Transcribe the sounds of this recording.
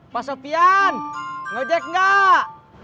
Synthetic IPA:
pasopianŋod͡ʒɛk̚ŋɡa

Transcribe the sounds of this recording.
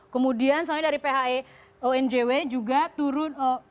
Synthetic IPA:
kəmudiansamaɛdaɾipeɦae | oɛnd͡ʒewed͡ʒuɡat̪uɾʊno

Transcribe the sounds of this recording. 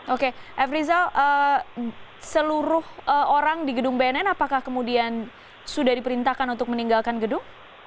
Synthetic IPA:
okeʔɛfɾizalʔə | səluɾʊhʔəoɾaŋdiɡədʊŋbanɛnapakahkəmudian | sudahdipəɾint̪ahkanunt̪ʊk̚məniŋɡalkanɡədʊŋ

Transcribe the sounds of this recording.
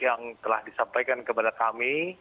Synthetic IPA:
jaŋt̪əlahdisampajkankəpadakami

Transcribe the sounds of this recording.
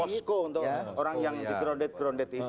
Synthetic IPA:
ɔskount̪ooɾaŋjaŋt̪iɡɾɔɳɖet̪̚ɡɾɔɳɖet̪i

